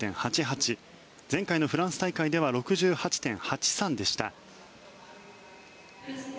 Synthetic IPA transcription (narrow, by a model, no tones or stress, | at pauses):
ẽ̞ɰ̃hat͡ɕiɦat͡ɕi | zẽ̞ŋkaino̞ɸɯ̟ɾãɰ̃sɨ̥t̪aikaid̪e̞βaɾo̞kɯ̟ʑɨːhat͡ɕi̥t̪ẽ̞ɰ̃hat͡ɕi̥sãnd̪e̞ɕi̥t̪a̰